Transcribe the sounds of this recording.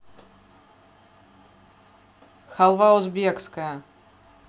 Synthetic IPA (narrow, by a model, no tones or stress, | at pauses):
xalˠvaozbɛkskaja